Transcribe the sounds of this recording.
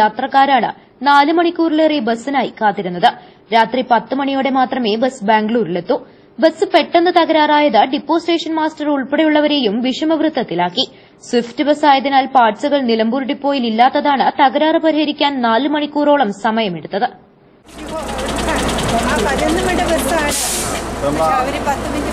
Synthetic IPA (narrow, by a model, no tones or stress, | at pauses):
jaːt̪rɐkːaːɾaːɳɨ̰ | naːlɨmɐɳikʲːuːrilerebɐsːinaːjikaːt̪ːiɾunːɐðɨ | ɾaːt̪ripɐt̪ːɨmɐɳijo̞ːɽe̞maːt̪rɐme̞ːbɐsɨbaːŋɡɭuːɾilet̪ːu | bɐsːɨpe̞ʈːenːɨt̪ɐɣɐɾaːraːjɐðɨɖipːo̞ːsʈe̞ːʂɐnmaːstɐruɭpeɽɐjuɭːɐʋɐɾe̞ːjumʋiʂɐmɐʋrɨt̪ːɐt̪ːilaːkːi | swiftɨbɐsaːjɐðinaːlpaːrt͡ɕuɣɐɭnilɐmbuːɾɽipːo̞ːjililːaːt̪ːɐðaːɳɨt̪ɐɣɐɾaːrɨpɐɾihɐɾikʲːaːnnaːlɨmɐɳikːuːro̞ːɭɐmsɐmɐjɐmeɽut̪ːɐðɨ | ɐenːɐmɐɽɐbɐsa | ʋɐɾipɐt̪ːɨmɐ